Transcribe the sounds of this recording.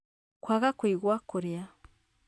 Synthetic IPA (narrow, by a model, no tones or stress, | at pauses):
kwaɣakwiːɣwakuɾja